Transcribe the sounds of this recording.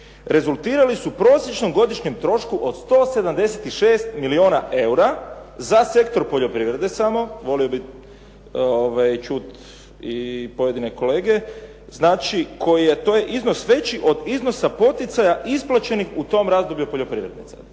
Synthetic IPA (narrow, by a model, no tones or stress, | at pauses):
ɾe̞zulˠt̪iːɾalisupɾo̞ːsjet͡ʃno̞mɡo̞d̪iʃɲemt̪ɾo̞ʃkuʔo̞d̪̥st̪o̞ːse̞d̪amd̪e̞set̪iʃeːst̪milio̞ːna̰ʔe̞uɾazase̞k̚t̪o̞ɾpo̞ʎo̞pɾiʋɾe̞d̪e̞samo̞ʋo̞liobi | oʋajt͡ʃut̪ | ipo̞je̞d̪ine̞ko̞le̞ːɡe̞ | znaːt͡ʃikʰo̞jije̞t̪o̞ːjeʔizno̞sʋe̞t͡ʃiʔo̞d̪izno̞sapo̞t̪it̪sajaʔisplˠat͡ʃe̞nixut̪o̞ːmɾaːzd̪o̞bʎʲupo̞ʎo̞pɾiʋɾe̞d̪nḭt̪sa̰